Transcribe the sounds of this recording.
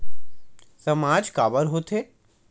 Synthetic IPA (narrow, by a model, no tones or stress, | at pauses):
sɐmaːd͡ʒkaːbəɾɦot̪ʰeː